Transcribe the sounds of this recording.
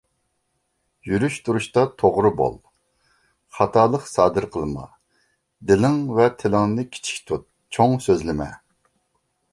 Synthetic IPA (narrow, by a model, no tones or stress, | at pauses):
jyɾyʃt̪ʰuɾuʃt̪ɑt̪ʰoʁɾʊbo̰lˠ | χɑt̪ʰɑːlˠəqsɑːd̪ɨɾqʰəlˠɨmɑ̰ | d̪ɪlɪŋvɛt̪ʰɪlɪŋɨnɨkʲʰi̥t͡ʃʰi̥kʲt̪ʰut̪̚ | t͡ʃʰoŋsøzlɪmɛ̰